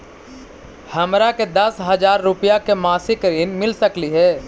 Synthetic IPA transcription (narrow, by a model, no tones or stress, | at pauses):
hɐmɾaked̪ɐsɦɐzaːɾːʊpijakemaːsɪkɾiːnmɪlsɐkliɦɛː